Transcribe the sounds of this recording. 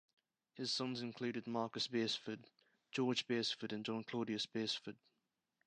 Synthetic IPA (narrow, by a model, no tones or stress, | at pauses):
hɪz̥sʌ̃nzɪ̃nkʰl̥ʉːɾɪd̚mɑːˑkəsb̥ɛsfəd | d͡ʒɔːd͡ʒbɛsfəɾə̃nd͡ʒɒ̃nkʰl̥ɔːɾiəsb̥ɛsfəd̥̚